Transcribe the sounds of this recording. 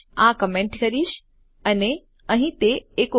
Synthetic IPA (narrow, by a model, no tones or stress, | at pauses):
ãkɐmẽɳʈkɐɾiʃ | ɐne | ə̃ɦĩt̪eːko